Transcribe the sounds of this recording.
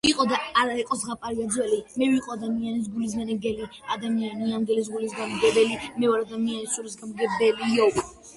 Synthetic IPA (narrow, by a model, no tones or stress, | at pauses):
iqʼɔd̪aːɾaɛqʼɔsʁapʼaɾiad̪zwɛlimɛviqʼɔad̪amianis̬ɡulis̬ɡanɛɡɛliad̪amianianɡ̪ɛlis̬ɡulis̬ɡanɡɛbɛlimɛɔɾad̪amianisuɾisɡamɡɛbɛlijɔv